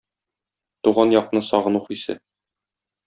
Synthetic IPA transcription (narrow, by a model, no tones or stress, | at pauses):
t̪uʁɑnjɒqnɤsɒʁɤ̆nuχisɘ̰